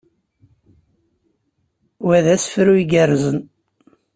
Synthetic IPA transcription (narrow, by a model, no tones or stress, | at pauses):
wæðæsfɾuiɡərːzən